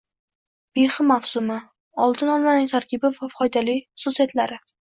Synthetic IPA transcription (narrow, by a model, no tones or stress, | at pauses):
b̥eχɪmafsʊmɪ | ɒlˠt̪ʰɪnɒlˠmanɪŋt̪ʰaɾkʲʰɪbɪvafɒjd̪alijχʊsusijat̪laɾɪ